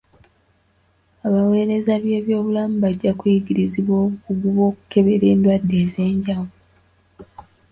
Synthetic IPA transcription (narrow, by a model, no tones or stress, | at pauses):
aβawe̞ːɾe̞zaβje̞ːβjo̞ːβulamuβaɟːakujiɡiɾiziβwoːβuɡuɡuβo̞ːku̥ke̞βe̞ɾe̞ːndwadːe̞ːze̞ːɲɟaβu